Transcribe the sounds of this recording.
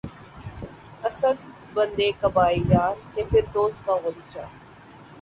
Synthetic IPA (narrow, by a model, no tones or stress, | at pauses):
əsək̪̚ | bə̃nd̪eːkəbaːiːjaːɾkẽːfʰɪɾd̪oːskãːɣʊdɪt͡ʃa̰ː